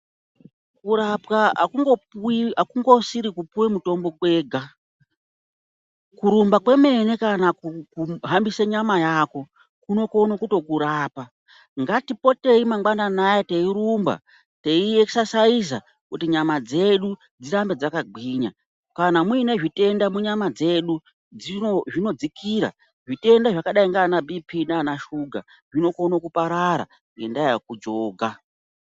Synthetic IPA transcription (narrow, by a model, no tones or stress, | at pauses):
kuɾapkaa̰kuŋɡopakuŋɡo̞siɾikupuwemuto̞mbo̞kwe̞ːɡʱa | kuɾumbakwe̞me̞ne̞kanakukuɦambiseɲamajaːko̞ | kuno̞konokuto̞kuɾaːpa | ŋɡatipo̞te̞imaŋɡwananajete̞iɾumba̰ | teieksasais̬a | kutiɲamad͡ze̞ɗu | d͡ziɾambe̞d͡zakaɡʱiːɲa | kanamuine̞ʐite̞ndamuɲamad͡ze̞ɗu | d͡ziʐino̞d͡zikʰiːɾa̰ | ʐite̞ndaʐakaɗaiŋɡanabipʰinanaʃuɡʱa̰ | ʐino̞ko̞nokupaɾaɾa̰ | ŋɡendajakud͡ʒoːɡʱa